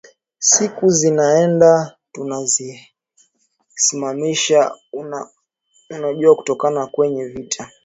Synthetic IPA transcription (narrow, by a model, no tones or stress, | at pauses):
sikuzinaɛnda | tunazi | simamiʃan | unaʄuaku̥tɔkanakwɛɲɛvitʰa